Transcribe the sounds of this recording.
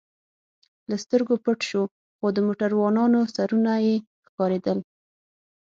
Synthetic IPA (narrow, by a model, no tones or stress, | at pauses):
last̪əɾɡopəʈʃo | xod̪əmoʈaɾwɑnɑnosaɾunaje | xkɑɾed̪əl